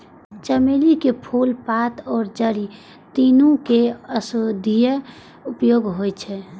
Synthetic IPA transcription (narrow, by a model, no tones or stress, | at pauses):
t͡ʃəmelikepʰulpat̪ʰɔːɾd͡ʒəɾi | t̪inũkeəsod̪ʱijə | upjoɡɦojt͡ʃʰɛ